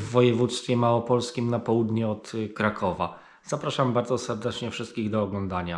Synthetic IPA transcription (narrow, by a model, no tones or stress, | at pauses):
vːɔjɛvut̪st̪fʲjɛmawɔpɔlskʲimnapɔwud̪ɲɛɔt̪kɾakʰɔva̰ | z̥apɾaʂambaɾd̪zɔsɛɾd̪ɛt͡ʂɲɛfʂɘst̪̚kʲiɣd̪ɔːɡlɔnd̪aɲa